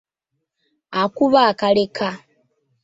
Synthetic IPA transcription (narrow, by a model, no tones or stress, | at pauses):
akuβaːkaleka